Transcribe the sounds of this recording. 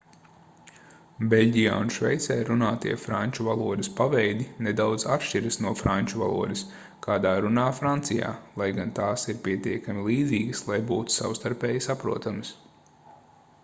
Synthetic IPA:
belʲɟija̰ːunʃvɛ̰jt̪sɛjɾunaːt̪iɛfɾanʲt͡ʃuvalˠuɔd̪ɪspaʋɛjd̪ʲined̪awd̪zapʃt͡ʃiɾəsnuɔfɾanʲt͡ʃuva̰lˠṵɔd̪ɐs | kʰaːd̪aːɾunaːfɾant̪sija̰ːlˠajɡant̪aːsiɾpʲiɛt̪iɛkamʲilˠiːd̪ziːɡəslˠajbuːt̪u̥sa̰wst̪aɾpɛːjisapɾuɔt̪aməs

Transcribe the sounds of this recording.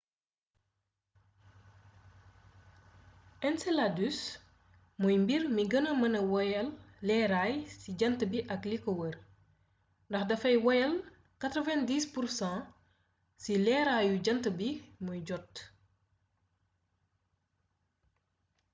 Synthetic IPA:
ɛnsɛladys | mujmbirmiɡɐnəmɐnɐwɔjɐlːɛːɾaːjsiɟɐntəbiʔɐklikɔwər | ndɐxdɐfɐjwɔjɐl | katɾɔvɛ̃ndiːspursãː | silɛːɾajuɟɐntəbimujɟɔt

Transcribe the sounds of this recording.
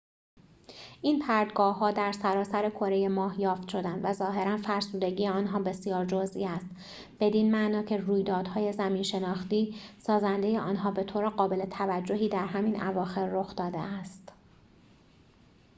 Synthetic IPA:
ʔiːnpʰæɾd̪ɡɒːɦːɒːd̪æɾsæɾɒːsæɾekʰoɾe̞je̞mɒːhjɒːft̪ʃo̞d̪ænd̪væzɒːɦe̞ɾænfæɾsuːd̪e̞ɟiːjeɒːnɦɒːbe̞sjɒːɾd͡ʒozʔiːæst̪ | b̥e̞d̪inmæʔnɒːcʰe̞ruːjd̪ɒːd̪̥hɒːje̞zæmiːnʃe̞nɒːxt̪iːsɒːzænd̪e̞jeʔɒːnɦɒːbe̞t̪ʰoːɾeɢɒːbe̞let̪ʰævæd͡ʒːo̞ɦiːd̪æɾɦæmiːnʔævɒːxe̞ɾːoxd̪ɒːd̪ḛæst̪

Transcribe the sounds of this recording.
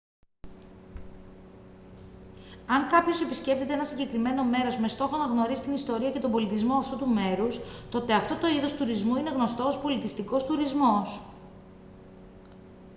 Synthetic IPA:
ɐŋkɐpço̞se̞pisce̞f̚t̪et̪eenɐsiɲɟe̞kɾime̞no̞me̞ɾo̞zme̞st̪o̞xonɐɣno̞ɾisi̥t̪inist̪o̞ɾiɐce̞t̪ombo̞lit̪izmo̞ɐft̪ut̪ume̞ɾust̪o̞t̪e̞ɐft̪o̞t̪o̞iðo̞st̪uɾizmuine̞ɣno̞st̪o̞ːspo̞lit̪ist̪iko̞st̪uɾizmo̞s

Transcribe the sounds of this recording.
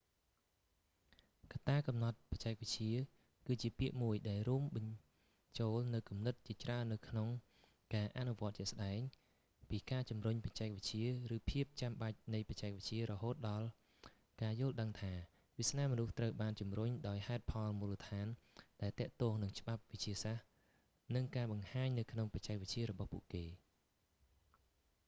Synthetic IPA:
kat̪ːaːkɑmnɑt̪̚pɑct͡ɕaɛk̚ʋɨc̚t͡ɕiə | kɨːt͡ɕiəpiəʔmuəjɗaɛlruəmɓɑɲ | t͡ɕoːlnɨwkumnɨt̪̚t͡ɕiət͡ɕraənːɨwkʰnoŋ | kaːʔaʔnuʋŏət̪̚t͡ɕɛ̆əʔsɗaɛŋ | piːkaːt͡ɕumruɲpɑ̥t͡ɕaɛk̚ʋɨc̚t͡ɕiərɨːpʰiəp̚t͡ɕamɓac̚nɨjpɑt͡ɕaɛk̚ʋəc̚t͡ɕiəɾɔɦoːt̪̚ɗɑl | kaːjʊ̆əlɗəŋt̪ʰaː | ʋisnaːmɔnuht̪rəwɓaːnt͡ɕumruɲɗaɔjhaɛt̪̚pʰɑlmuːlət̪ʰaːnɗaɛlt̪ɛ̆əʔt̪ɔːŋnɨŋt͡ɕə̆ɓap̚ʋɨc̚t͡ɕiəsah | nɨŋkaːɓɑŋhaːɲnɨwkʰnoŋpɑc̚t͡ɕaɛk̚ʋɨc̚t͡ɕiəɾɔɓɑhpṵəʔkeː

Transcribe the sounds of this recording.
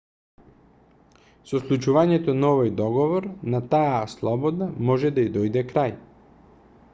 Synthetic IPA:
sɔslˠut͡ʃuvaɲɛt̪onaɔvɔjd̪ɔɡɔvɔɾnat̪ajaslˠɔbɔd̪amɔʒɛd̪aid̪ɔjd̪ɛkɾaj

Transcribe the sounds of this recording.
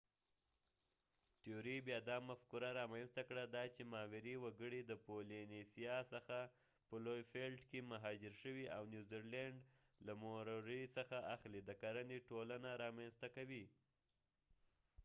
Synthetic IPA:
ʈioɾibjɑd̪ɑmafkuɾaɾɑmanst̪akɽad̪ɑt͡ʃemɑwɪɾiwaɡəɽid̪əpolinisijɑsəxa | pəlojfelɖkemaɦɑd͡ʒɪɾʃəwiʔawnjuziɾlaɳɖ | lamoɾɾəjsəxaʔaxlid̪əkaɾaniʈolanaɾɑmanst̪akawi

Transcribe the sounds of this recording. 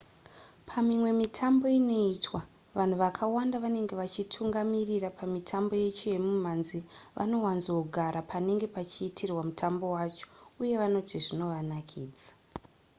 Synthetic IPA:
pʰamimwe̞mitʰambo̞ino̞iːtwa | ʋan̤uʋakʰawandaʋane̞ŋɡe̞ʋat͡ʃitʰuŋɡamirirapʰamitʰambo̞je̞t͡ʃojemum̤anziʋʔa̰no̞wanzouɡʱaɾapʰane̞ŋɡe̞pat͡ʃiːtʰirwamutʰambo̞wat͡ʃo̥uje̞ʋano̞tʰiʐino̞ʋanakʰiːd͡za

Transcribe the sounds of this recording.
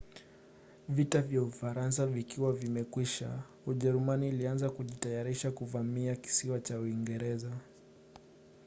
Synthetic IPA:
vitavjaufaɾans̬avikiwavimɛkwiʃa̰ | uʄɛɾumaniːlianzakuʄitajaɾiʃakuvamiaki̥siwat͡ʃauiŋɡɛɾɛza

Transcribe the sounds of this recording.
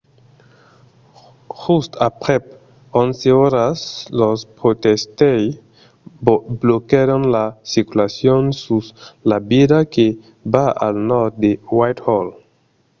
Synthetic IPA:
hustapʁep | onseoɾaslospɾotestej | blokeɾonlasikulasionsuslabiɾake | baʔa̰lnoɾd̚dewajthol

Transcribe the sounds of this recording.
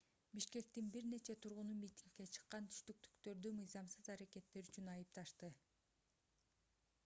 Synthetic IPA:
biʃke̞k̚t̪inbiɾne̞t͡ʃe̞t̪ʰuɾʁʊnumʲit̪ʲiŋkːe̞t͡ʃʰɯ̥qːɑnt̪ʰy̥ʃt̪yk̚t̪y̥kt̪ø̞ɾd̪ymɯjzɑmsɯzɑɾake̞t̪ːe̞ɾyt͡ʃynɑjɯpt̪ɑʃt̪ɯ

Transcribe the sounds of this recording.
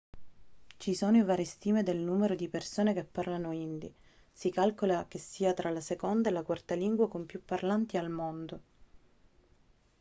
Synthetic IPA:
t͡ʃisoːnoivaːɾest̪iːmed̪elnuːmeɾod̪ipersoːnekepːarlanoind̪i | sikalkolak̟esːiːat̪ɾʔalasekond̪aelakwart̪aliŋɡwakompjupːarlant̪ialmond̪o

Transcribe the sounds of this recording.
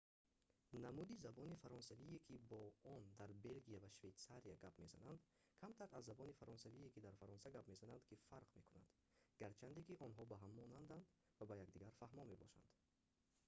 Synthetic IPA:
namud̪izabɔnifaɾɔnsaviekʰibɔɔnd̪aɾbe̞lɡiavaʃvejt̪saɾiaɡapme̞za̰nand̪ | kʰamt̪ʰaɾazːabɔnifaɾɔnsaviekid̪aɾfaɾɔnsaɡapme̞zanand̪kifaɾqme̞kʰuna̰nd̪ | ɡ̥aɾt͡ʃʰand̪ekiʔɔnɦɔbaɦamːɔnand̪and̪ | vabajaɡd̪iɡaɾfahmɔme̞bɔʃa̰nd̪̥

